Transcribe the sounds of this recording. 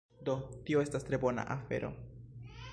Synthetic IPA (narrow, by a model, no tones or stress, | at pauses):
do̞tio̞e̞stastɾe̞bo̞na̰ʔafe̞̰ɾo̞̰